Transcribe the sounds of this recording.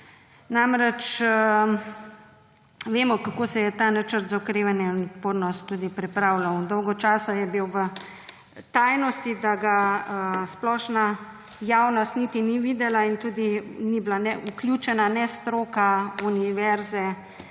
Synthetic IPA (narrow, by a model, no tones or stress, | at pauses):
namɾɛt͡ʃə | ʋeːmɔkakoːsɛjɛt̪anat͡ʃəɾt̪zaɔkɾeːʋanjɛnɔt̪poːd̪nɔst̪ːud̪ipɾɛpɾaːwlawd̪ɔwɡɔt͡ʃaːsajɛbiwʋə | t̪ajnɔst̪id̪aɡaəsplɔʃna | jawnɔst̪nit̪iniʋid̪ɛlaint̪ud̪iniblanɛʔuklʲjuːt͡ʃɛnanɛst̪ɾoːkauniʋɛɾzɛ